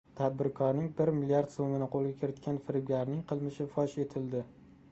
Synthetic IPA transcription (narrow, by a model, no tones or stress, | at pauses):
t̪ʰad̪̚bɪɾkʰɒɾnɪŋbɪɾmɪliaɾd̪somɪnɪqʰolˠɡʲakʲʰɪɾɪt̪kʲanfɪɾɪbʲlʲaɾnɪŋqʰɨlˠmɪʃɪfɒʃe̞t̪ʰɪld̪ɪ